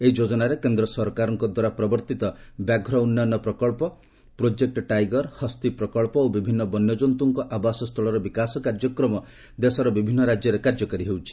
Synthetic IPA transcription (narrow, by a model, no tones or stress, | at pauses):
eid͡ʒod͡ʒɔnaɾekend̪ɾɔsɔɾkaɾɔŋkɔd̪waɾapɾɔbɔɾt̪it̪ɔbjaɡʱɾɔunːanɔpɾɔkɔɭpɔ | pɾod͡ʒek̚ʈɔʈajɡɔɾhɔst̪ipɾɔkɔɭpɔobibʱinːɔbɔnːjɔd͡ʒɔnt̪uŋkɔʔabasɔst̪ʰɔɭɔɾɔbikasɔkaɾd͡ʒɔkɾɔmɔ | d̪esɔɾɔbibʱinːɔɾad͡ʒjɔɾekaɾd͡ʒɔkɔɾiɦewt͡ʃʰi̥